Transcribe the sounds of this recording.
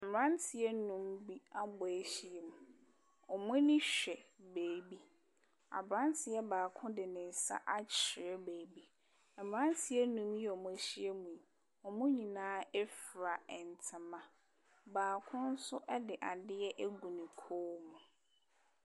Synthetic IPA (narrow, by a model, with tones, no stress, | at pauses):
m̩˨ɾã˦ntʰɪ˨ɛ˦nũ˦mbi˦a˦bɔ˨e˦ɕi˦e˨mũ˨ | ɔ˨mʊ̃˦nɪ̃˦ɕᶣɛ˨beː˨bi˦ | a̰˨bɾã˦n˦tʰɪ˨jɛ˦baː˨kʰʊ̃˦dɪ˨nɪ̃˨n̩˨sa̰˦ʔa˦t͡ɕʰɪ˨ɾɛ˦beː˨bi˦˨ | m˨ã˦n˦tʰɪ˨ɛ˦nũ˦mjɛ˦ɔ˨mʊ̃˦ɕi˦e˦mũ˨i˨ | ɔ˨mʊ̃˦ɲĩ˨nãː˦ɛ˦fɾa˨ɛ˨n˨tʰɪ̃˨mã˨ | baː˨kʰʊ̃˦n̩˦sʊ˦ʔɛ˦dɪ˨ʔa˨dɪ˦ɛ˦ʔe˦ɡu˨nĩ˨kʰoː˦mũ˨